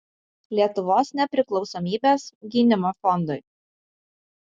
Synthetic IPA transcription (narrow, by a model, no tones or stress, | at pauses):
lʲiɛt̪ʊʋoːsnʲɛpʲɾʲɪklˠɒʊsɔːmʲiːbʲeːsɡʲinʲɪmoːfɔnd̪ʊɪ